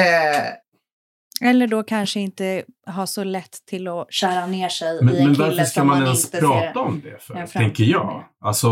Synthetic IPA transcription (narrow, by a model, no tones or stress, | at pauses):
ɛlːəɖɔkʰanʂəɪnt̪əɦaʂɔlɛt̪ʰːɪlːɔɕæːɾaneːʂɛjmɛnmɛnvaɾfəʂkamanɛnsp̪ʰɾɑːtt̪aɔmd̪ɛ̰fœɛŋkəɾjɑ̰ːɡalsɔ